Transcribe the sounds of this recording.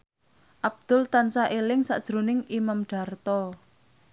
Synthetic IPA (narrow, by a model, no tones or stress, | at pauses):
ʔab̚d̪̥ʊlt̪ansaʔelɪŋsa̰d̥ʒ̥ɾonɪŋimamɖ̥a̤rt̪ɔ